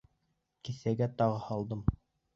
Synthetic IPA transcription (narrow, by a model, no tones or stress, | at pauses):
kĭθæɡæt̪ɑʁɤhɑlˠd̪ɤm